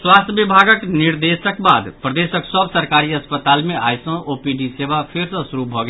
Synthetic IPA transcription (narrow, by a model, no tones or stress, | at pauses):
swast̪ʰjəbibʱaɡəkniɾd̪esəkba̰d̪pɾəd̪esəksəbsəɾkaɾiəspət̪almeʔa̰jsə̃opiɖisebapʰeɾsəsuɾubʱɔɡe